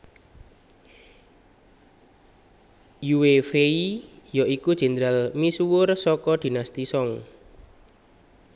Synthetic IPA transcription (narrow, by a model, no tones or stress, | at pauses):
juwefeijɔʔikud̥ʒ̥ɛ̤nd̪ɾalmisuwʊrsɔkɔd̪̥i̤nast̪isɔŋ